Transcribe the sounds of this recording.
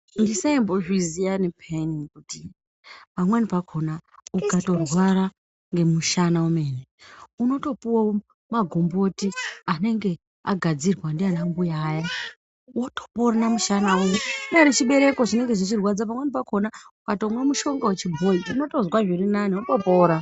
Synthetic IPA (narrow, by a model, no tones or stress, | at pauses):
ndisaimboʐizijanipʰenikuti | pamwenipakʰo̞naukato̞rwaɾa | ŋɡe̞muʃanaume̞ːneuno̞to̞puwo | maɡʱo̞mbo̞tiane̞ŋɡe̞ | a̰ɡʱad͡zirwandianambujaːja | woto̥po̞ɾanamuʃanaumeɗaɾit͡ʃiɓe̞ɾe̞ko̞t͡ʃine̞ŋɡe̞ʐit͡ʃirwad͡zap̬amwe̞nipakʰo̞naukato̞mwamuʃo̞ŋɡawet͡ʃibʱo̞iuno̞to̞zwaʐiɾinaniwotopoːɾa